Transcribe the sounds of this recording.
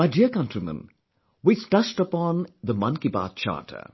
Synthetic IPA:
maɪɖiəkʌ̃ntɹimə̰̃n | wisʈʌsʈəpɔ̃nd̪əmʌ̃nkiba̰ːt̪̚t͡ʃʰa̰ːʈʰə̰

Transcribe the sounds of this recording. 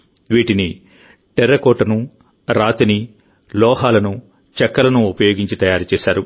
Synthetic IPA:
ʋiːʈini | ʈɛɾːɐkoːʈːɐnu | ɾaːt̪ini | lɔːɦaːlɐnu | t͡ʃɐkːɐlɐnuːpɐjo̞ːɡiɲt͡ʃit̪ɐjaːɾt͡ʃɛːsaːɾu

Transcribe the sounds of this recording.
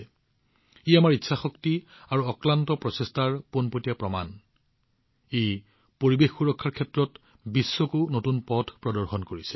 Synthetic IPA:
ijamaɹitːsʰaxɔkti | aɹuɔklantɔpɹɔsestaɹponpotijapɹɔma̰n | ej | poɹibexːuɹɔkʰːaɹkʰɛtɹɔt | bisːokunotunpɔdʰʱpɹɔdɔɹxɔnkoɹisɛ̥

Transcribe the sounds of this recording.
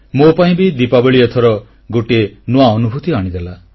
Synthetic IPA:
mopaĩbid̪ipabeɭiɔt̪ʰɔɾɔ | ɡoʈenoaɔnubʱut̪iaɽ̃id̪ela

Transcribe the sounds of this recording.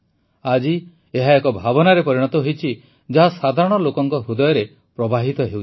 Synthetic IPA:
ad͡ʒi | eɦaekɔbʱabɔnaɾepɔɾiɽ̃ɔt̪ɔɦejt͡ʃʰi | d͡ʒaɦasad̪ʱaɾɔɽ̃ɔlokɔŋkɔɦud̪ɔjɔɾe | pɾɔbaɦit̪ɔɦew

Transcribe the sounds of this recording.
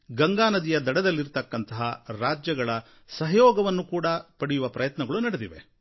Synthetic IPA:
ɡɐŋɡaːnɐd̪ijɐd̪ɐɽɐd̪ɐlːiɾt̪ɐkːɐnt̪ɐɦɐɾaːd͡ʒjɐɡɐɭɐ | sɐɦɐjɔːɡɐʋɐnːukuːɽɐpɐɽijuʋɐpɾɐjɐt̪nɐɡɐɭunɐɽed̪iʋe̞̰

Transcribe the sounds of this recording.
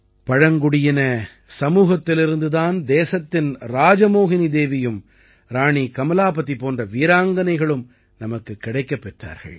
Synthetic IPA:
pɐɻɐŋɡʊɽɪjɪnɐ | sɐmuːɣɐt̪ːɪlɪɾɯnd̪ɯðaːnd̪eːsɐt̪ːɪnɾaːd͡ʒɐmoːɣɪnid̪eːʋɪjɯm | ɾaːɳikɐmɐlaːpɐt̪ːipoːndrɐʋiːɾaːŋɡɐnɐɪɣɐɭɯm | nɐmɐkːɯkːɪɽɐɪkːɐpːɛʈra̰ːɾɣɐ̰ɭ

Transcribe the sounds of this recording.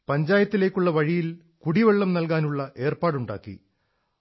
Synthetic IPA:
pɐɲd͡ʑaːjɐt̪ːile̞ːkʲːuɭːɐʋɐɻijil | kuɽiʋeɭːɐmnɐlkaːnuɭːɐʔe̞ːrpaːɽuɳɖa̰ːkːḭ

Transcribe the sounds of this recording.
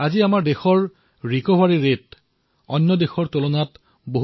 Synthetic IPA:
aziamaɹdexɔɹ | ɹikɔbaɹiɹet | ɔnːɔdexɔɹtolonat | boɦ

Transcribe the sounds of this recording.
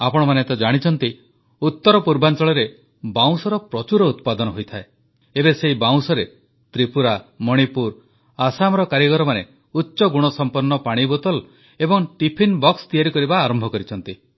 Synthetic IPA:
apɔɽ̃ɔmanet̪ɔd͡ʒaɽ̃it͡ʃʰɔnt̪i | ut̪ːɔɾɔpuɾbant͡ʃɔɭɔɾe | baw̃sɔɾɔpɾɔt͡ʃuɾɔut̪̚pad̪ɔnɔɦojt̪ʰae | ebeseɦibaw̃sɔɾe | t̪ɾipuɾamɔɽ̃ipuɾ | asamɾɔkaɾjɔɡɔɾɔmane | utːʃɔɡuɽ̃ɔsɔmpɔɾnːɔpaɽ̃ibɔt̪ɔl | ebɔŋʈipʰinbɔkst̪ijaɾikɔɾibaːɾɔmbʱɔkɔɾit͡ʃʰɔnt̪i

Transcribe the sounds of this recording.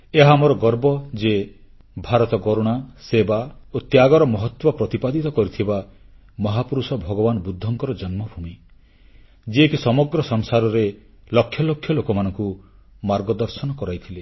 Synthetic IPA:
eɦamoɾɔɡɔɾbɔd͡ʒe | bʱaɾɔt̪ɔɡɔɾuɽ̃asebaot̪jaɡɔɾɔmɔɦɔt̪wɔpɾɔt̪ipad̪it̪ɔkɔɾit̪ʰiba | mɔɦapuɾusɔbʱɔɡɔbanɔbud̪ʱːɔŋkɔɾɔd͡ʒɔnmɔbʱumi | d͡ʒiekisɔmɔɡɾɔsɔŋsaɾɔɾe | lɔkʰːjɔlokʰjɔlokɔmanɔŋku | maɾɡɔd̪ɔɾsɔnɔkɔɾajt̪ʰile

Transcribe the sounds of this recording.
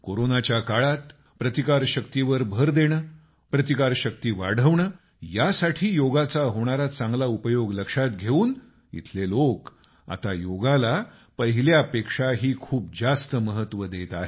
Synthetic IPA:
koɾonat͡ɕjakaɭat̪ | pɾət̪ikaɾɕəkt̪iʋəɾbʱəɾd̪eɽ̃əː | pɾət̪ikaɾɕək̚t̪iːʋaɽ̤əʋɳəː | jasaʈʰiːjoɡat͡saɦoɽ̃aɾat͡sãŋɡlaupəjoɡləkʂat̪ɡʱeuːn | ḭt̪ʰlelok | a̰t̪ajoɡala | pəɦiljapekʂaɦiːkʰuːp̚d͡zast̪əməɦət̪ʋəd̪et̪aɦe

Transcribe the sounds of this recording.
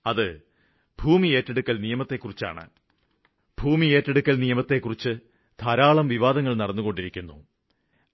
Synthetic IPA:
ɐðɨ | bʱuːmie̞ːtːeɽukːɐlnijɐmɐt̪ːe̞kːurit͡ɕːa̰ːɳɨ̰ | b̥ʱuːmie̞ːtːeɽukːɐlnijɐmɐt̪ːe̞kːurit͡ɕːɨ | t̪ʰɐɾaːɭɐmʋiʋaːd̪ɐŋːɐɭnɐɽɐnːuɣo̞ɳɖiɾikʲːunːṵ

